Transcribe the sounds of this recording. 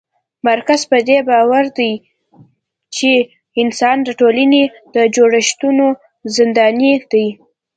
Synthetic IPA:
maɾkazpəd̪ebɑwaɾd̪aj | t͡ʃe | ɪnsɑndaʈolane | d̪̥əd͡ʒoɽaʃt̪uno | zɪnd̪ɑnid̪aj

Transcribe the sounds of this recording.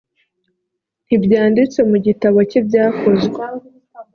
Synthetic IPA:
n̥ibjaːndit͡se̞muɟitaβocibjaːkʰo̞zɡwe

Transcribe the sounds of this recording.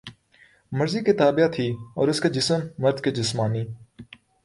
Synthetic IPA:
mɐɾziket̪aːbjat̪ʰiːɔ̰ːɾɪsked͡ʒɪsəmːɐɾd̪ked͡ʒɪsmaːniː

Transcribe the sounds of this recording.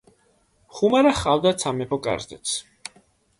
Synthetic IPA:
χumaɾaχavd̪at̪sʰamɛpɔkʼa̰ɾzɛ̰t̪sʰ

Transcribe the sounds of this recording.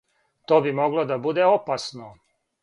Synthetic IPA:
t̪oːbimo̞ɡlod̪abud̪eopasno

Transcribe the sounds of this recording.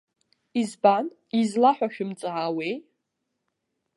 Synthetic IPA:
izban | izlaħʷᶣaʃᶣʊmt͡sʼaʕawej

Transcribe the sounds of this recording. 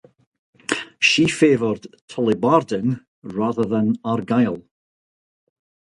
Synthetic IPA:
ʃifeːvɔrd̥tʰɔlˠɪbaɹdən | ɹaðəðə̃naɹɡajlˠ

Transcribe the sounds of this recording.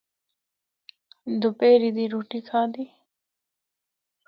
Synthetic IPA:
d̪upeːɾid̪iɾuːʈikʰaːd̪iː

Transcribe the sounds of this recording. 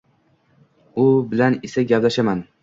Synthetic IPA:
ʊbɪlanɪsaɡʲaplaʃaman

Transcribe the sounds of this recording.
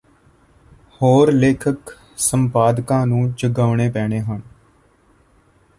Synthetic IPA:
hoːɾleːkʰək | sə̃mpaːd̪kãːnũːd͡ʒəɡaːʋɳeːpɛːɳeːɦən

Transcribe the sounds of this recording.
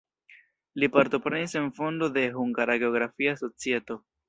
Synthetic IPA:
lipaɾto̞pɾe̞nise̞nfo̞ndo̞de̞ɦuŋɡaɾaɡe̞o̞ɡɾafiaso̞t͡sie̞to̞

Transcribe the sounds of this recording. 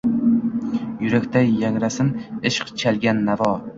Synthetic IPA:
jʊɾakʲt̪ʰajːaŋɾasɪnɪʃqt͡ʃʰalɡʲanːavɒ

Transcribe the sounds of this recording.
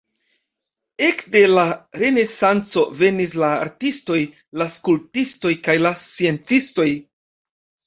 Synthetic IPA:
e̞kde̞laɾe̞ne̞sant͡so̞ve̞nis̬laːɾtisto̞j | laskultisto̞jkajlast͡sie̞nt͡sisto̞j

